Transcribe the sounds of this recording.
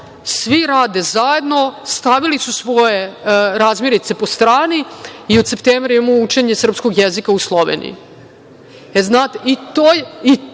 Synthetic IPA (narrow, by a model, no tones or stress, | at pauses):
sʋiɾaːd̪ezaje̞d̪no̞st̪aʋilisusʋo̞jeɾaːzmʲjeɾit̪se̞po̞st̪ɾaːniiod̪se̞pt̪eːmvɾajemout͡ʃe̞ɲesr̩pskoɡjezikauslˠo̞ʋḛnḭjḭ | eznaːt̪eit̪oji